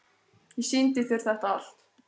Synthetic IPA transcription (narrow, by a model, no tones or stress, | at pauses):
jɛsɪnt̪ɪθɪɾ̥θɛht̪aal̥t̪